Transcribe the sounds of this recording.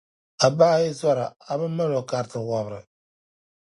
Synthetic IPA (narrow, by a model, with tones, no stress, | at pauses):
a˨baː˦jɪ˦zɔ˦ɾa˨a˨bɨ˦mːa˦lo˨ka˨ɾtɨ˨wa˨bɾɨ˨